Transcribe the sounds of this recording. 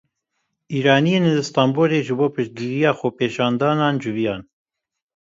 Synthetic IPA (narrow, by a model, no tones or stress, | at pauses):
ʔiːɾɑːnijeːnlɨst̪ɑːmboːɾeːʒɨboːpɨʃt̪̚ɡiɾijɑːxopeːʃɑːnd̪ɑːnɑːnd͡ʒɨvijɑːn